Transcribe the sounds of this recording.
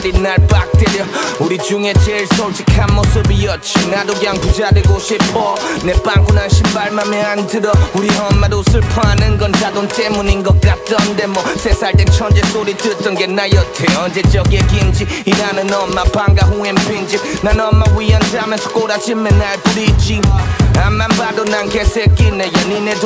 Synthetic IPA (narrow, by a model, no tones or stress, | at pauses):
ɾinalbak̚tʰeɾiɔuɾid͡ʒuŋɛt͡ʃɛɭsɔwt͡ʃikʰamːɔsobijɔt͡ʃʰinadoɡjaŋtud͡ʒadɯɡoʃepʰɔnɛpaŋkunanʃimbaɭmamɛantɯɾɔuɾiɦɔmːadosɯpʰanɯŋɡɔntad̪ɔntɛmuniŋɡɔɡatɔnd̪ɛmɔsɛsadɛt͡ʃʰɔnd͡ʒɛsoɾitʰɨtɔŋɡɛnajɔtʰɛɔnd͡ʒɛt͡ʃɛɡɛkint͡ʃihinanɯnɔmapaŋɡaɦuɛmpind͡ʒinanɔmːawijand͡ʒamɛsu̥koɾat͡ʃimɛnaɛpuɾid͡ʒiamambadonaŋkɛsɛkinɛjɔninɛt